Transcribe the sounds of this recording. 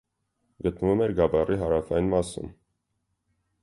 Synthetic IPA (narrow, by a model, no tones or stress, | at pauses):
ɡət̪nəvumɛɾɡɑbɑriɦɑɾɑfɑjinmɑsṵm